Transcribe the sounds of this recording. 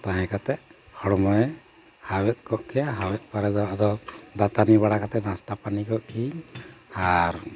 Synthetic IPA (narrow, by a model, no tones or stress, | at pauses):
t̪aɦɛ̃kat̪ɛʔhɔɽmɔjɛ | hawɛt̪̚ˀkɔʔkɛjaɦawɛt̪̚ˀpaɾɛd̪ɔʔad̪ɔd̪at̪anibaɽakat̪ɛʔnast̪apanikɔʔkʰiɲaɾ